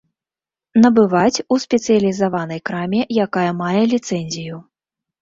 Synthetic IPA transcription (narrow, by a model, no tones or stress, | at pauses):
nɐbɨvat͡sʲusʲpʲɛt̪sɨjɐlʲizavanɐjkɾamʲɛjakajɐmajɛlʲit̪sɛnʲzʲiju